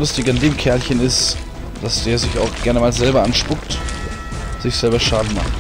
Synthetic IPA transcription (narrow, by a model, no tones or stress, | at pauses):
lʊstɪɡandeːmkʰɛɐlçənɪst | d̥asd̥eːɐzɪçaʊxɡ̥ɛɐnəmaːlzɛlbɐʔanʃpʊkt | z̥ɪçz̥ɛlbɐʃaːdn̩ma̰χ